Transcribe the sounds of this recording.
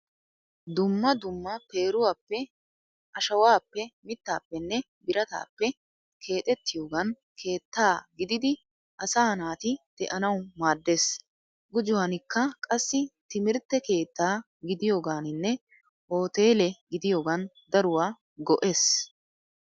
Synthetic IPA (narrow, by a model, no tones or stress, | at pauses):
d̪ʊmːɐd̪ʊmːɐpe̞ːɾʊwaːpːɛ | ʔɐʃɐwaːpːɛmɪt̪ːa̰ːpːɛnːɛ | bɪɾɐt̪a̰ːpːɛ | kʰe̞ːt̪ʼɛt̪ːɪjo̞ːɡɐn | kʰe̞ːt̪ːaːɡɪd̪ɪd̪ɪ | ʔɐsaːnaːt̪ɪd̪̥ɛʔɐnɐwmaːd̪ːeːs | ɡʊd͡ʒʊwanɪkːɐkʼɐsːɪt̪ɪmɪɾt̪ːɛke̞ːt̪ːaː | ɡɪd̪ɪjo̞ːɡaːnɪnːɛ | ho̞ːt̪e̞ːlɛɡɪd̪ɪjo̞ːɡɐn | d̪ɐɾʊwaː | ɡɔʔeːs